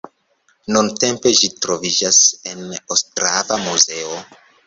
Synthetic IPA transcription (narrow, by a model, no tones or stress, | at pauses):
nunte̞mpe̞ʒitɾo̞vid͡ʒase̞nostɾavamuzeo